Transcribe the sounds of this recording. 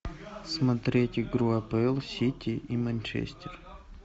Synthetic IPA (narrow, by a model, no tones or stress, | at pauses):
smɐt̪ɾʲetʲɪɡɾuɐpɛlˠsʲitʲiʔimɐnʲt͡ʃḛsʲtʲɪr